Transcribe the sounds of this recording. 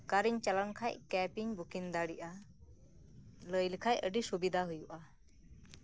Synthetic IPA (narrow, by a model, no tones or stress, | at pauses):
kaɾiɲt͡ʃalɔnkʰajʔkɛpiɲbukind̪aɽiʔa | ləjlkʰajəɖisubid̪ʱaɦujuʔa